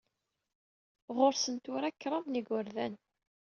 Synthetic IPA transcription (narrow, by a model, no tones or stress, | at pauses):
ʁoɾsənt̪ʊɾækːɾˤɑðniɡʊɾðæn